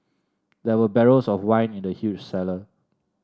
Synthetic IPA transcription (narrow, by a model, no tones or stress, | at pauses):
dɛwəbɛɹosɔfwãɪ̃nĩndəhjut͡ʃsɛlə